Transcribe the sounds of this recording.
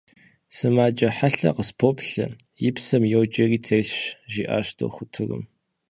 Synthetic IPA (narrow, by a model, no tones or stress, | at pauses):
sɨmaːt͡ʃʼɐħaɬɐ̰qəspʰopɬɨ̰jɪpsɐmjɛwt͡ʃʼɐriːtʰeɬɕʒiːʔa̰ːʃtʰo̰wχʷʊtʰɨrɨ̰m